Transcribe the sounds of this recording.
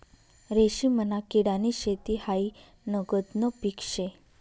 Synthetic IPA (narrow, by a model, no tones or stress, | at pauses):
ɾeɕimənakiɽaniɕet̪ihai | nəɡəd̪nəpikʂe